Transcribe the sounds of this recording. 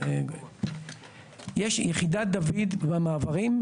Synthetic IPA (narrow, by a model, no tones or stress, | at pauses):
jeʃjeχidat̪̚d̪avid̪bamaːvaʁim